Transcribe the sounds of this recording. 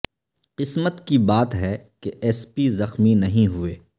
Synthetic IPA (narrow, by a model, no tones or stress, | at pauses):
qɪsmət̪kibaːt̪ɦɛkeʔɛːspizɐxminɐɦĩɦueː